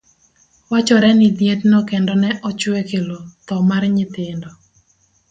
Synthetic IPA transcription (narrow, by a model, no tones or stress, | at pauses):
wat͡ʃɔɾɛnɪd̪jet̪nɔkɛndɔnɛʔɔt͡ʃwekelot̪ɔmarɲɪt̪ɪndɔ